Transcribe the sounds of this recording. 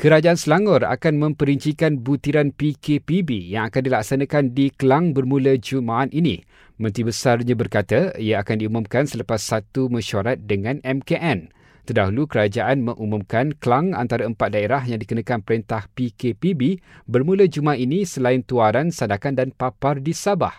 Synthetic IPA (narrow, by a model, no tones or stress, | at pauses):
kəɾad͡ʒaʔansəlaŋɔra̰kanmə̃mpəɾiɲt͡ʃikanbut̪iɾanpikepibijaŋakandilaksanãkandikəlaŋbərmũləd͡ʒumaʔːninḭ̃ | mə̃nt̪ɾibəsarɲãbərkat̪aiaakandiumumkansələpasːat̪umə̃ʃaɾat̪̚dəŋãnɛmkeʔɛn | t̪ərdaɦulukəɾad͡ʒaʔanmə̃ŋʔumũmkankəlaŋa̰nt̪aɾaəmpat̪̚daeɾahjaŋdikənãkanpəɾint̪ahpikepibibərmũləd͡ʒumaaninĩsəlaɪnt̪uaɾansandakandanpapardisabah